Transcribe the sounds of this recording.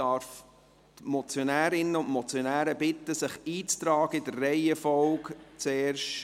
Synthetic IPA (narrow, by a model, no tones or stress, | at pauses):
ɑɾf | t̪mɔt͡sjonæːɾɪnəʊntmɔt͡sjonæːɾəbɪt̪ːəsɪχiːt͡st̪ɾɑːɡəɪdərːɛɪɛfɔlkt͡seːɾʃ